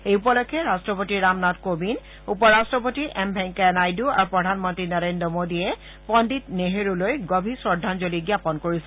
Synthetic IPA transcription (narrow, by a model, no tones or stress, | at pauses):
ejupɔlɔkʰːɛɹastɹɔpotiɹamnatkobin | upɔɹastɹɔpotiʔɛmbʱɛ̃ŋkanajdua̰ɹupɹɔdʱanmɔntɹinɔɹendɹɔmodiɛ | pɔnditneɦeɹulojɡɔbʱisɔɹdʱanzoliɡjapɔnkoɹisɛ̥